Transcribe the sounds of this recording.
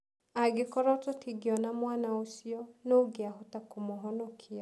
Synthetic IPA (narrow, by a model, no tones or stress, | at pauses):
aɡekɔɾɔtɔtʰiɡeɔnamwanaosiɔnoɡeaɦɔtakomoɦɔnɔkʰia